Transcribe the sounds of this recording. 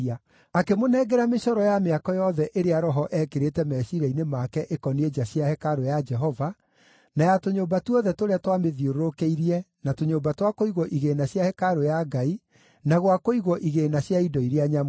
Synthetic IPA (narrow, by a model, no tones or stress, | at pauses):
a | akemonɛːɡɛɾameʃɔɾɔjameakɔjɔðɛʔeɾeaɾɔɦɔʔɛːkeɾetɛmɛsiɾɛinemakɛʔekɔnied͡ʒaɕjahɛkaɾojad͡ʒɛɦɔva | najatoɲoːbatuɔðɛtoɾeatwameðioɾoɾokeiɾiɛ | natoɲoːmbatwakoiɣwɔʔiɣenaɕjahɛkaɾojaɡai | naɣwakoiɣwɔʔiɣeːnaɕjaidɔiɾeaɲam